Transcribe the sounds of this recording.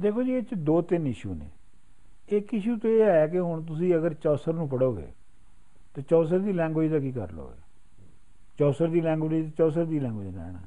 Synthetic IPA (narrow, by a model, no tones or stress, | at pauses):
d̪eːkʰoːd͡ʒiːɪt͡ʃd̪oːt̪ɪnɪʃṵːnḛː | ɪkɪʃuːt̪õeːɛːkɪɦʊɳ̃t̪̬ʊsĩːəɡəɾt͡ʃɔːsəɾnũːpəɽoːɡḛː | t̪eːt͡ʃɔːsəɾd̪iːlɛ̃ːŋɡoːd͡ʒd̪aːk̬iːkə̰ɾlo̰ːɡḛː | t͡ʃɔːsəɾd̪iːlɛ̃ːŋɡoːit̪et͡ʃɔːs̬əɾd̪iːlɛ̃ːŋɡoːd͡ʒna̰ːɛ̰nã̰ː